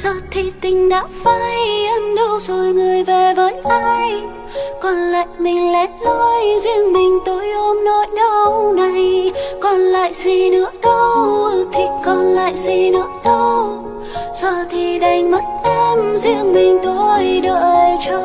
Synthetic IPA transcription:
zə˧˨˩t̪ʰi˨˩t̪ï˨˩ŋ̟ɗa̰ː˧˥faː˧jʔə˧mɗə˧wzo˨˩jŋɨ˨˩əjve˨˩vəː˨˦jʔaː˧j | kɔ˨˩nla̰ː˧˨jmï˨˩ŋ̟lɛ˨˦˥lɔ˧jzi˧əŋmï˨˩ŋ̟t̪o˨˧˦jʔo˧mnɔ˧˩jɗə˧wwna˨˩jkɔ˨˩nla̰ː˧˨jsi˧nɨ̰˧˥əɗə˧wwt̪ʰi˨˩kɔ˨˩nla̰ː˧˨jsi˧nɨ˧˦˥əɗə˧w | zəː˨˩t̪ʰi˨˩ɗa˨˩jŋmə˦˥t̚ʔɛ˧mzi˧əŋmï˨˩ŋ̟t̪o˧jɗəː˧˩jt͡ɕɔ˧

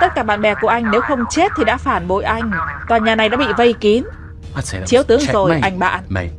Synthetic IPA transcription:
t̪ə˦˥t̚kaː˧˩ɓa̰ː˧˨nɓɛ˨˩ku˧˩əʔa˧jŋ̟ne˨˦wxə˧wŋ͡mt͡ɕe˦˥t̚t̪ʰi˨˩ɗa̰ː˧˥faː˧˩nɓo̰˧˨jʔa˧jŋ̟kɔː˨˩nɲaː˨˩na˨˩jɗa̰ː˧˥ɓḭ˧˨və˧jki˨˦ən | t͡ɕi˨˦əwt̪ɨ˨˦əŋzo˨˩jʔa˧jŋ̟ɓa̰ː˧˨n˧

